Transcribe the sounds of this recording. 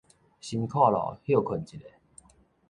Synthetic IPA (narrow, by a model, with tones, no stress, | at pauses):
ɕi˧nkʰwa˥˨lɔ̰˨hjo˥˨˩kʰə˨˩nt͡ɕi˨te˨˩˦